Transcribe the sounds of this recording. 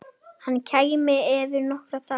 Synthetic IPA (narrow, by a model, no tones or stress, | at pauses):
hanːcʰaɣmɪɛvɪɾnɔhkɾat̪a